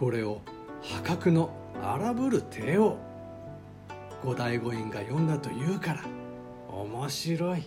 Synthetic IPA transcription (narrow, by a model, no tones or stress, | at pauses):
ko̞ɾe̞o̞ | hakakɯ̟no̞ | a̰ɾabɯ̟ɾɯ̟t̪ʰe̞ːo | ɡ̥o̞d̪aiɡo̞ĩŋɡajõ̞nd̪at̪o̞jɯ̟ːkaɾa | o̞̰mo̞ɕiɾo̞i